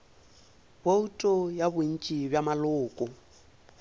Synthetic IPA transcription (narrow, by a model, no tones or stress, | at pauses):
boutʼɔjabʊn̩t͡ʃʼibjamalʊːkʼɔ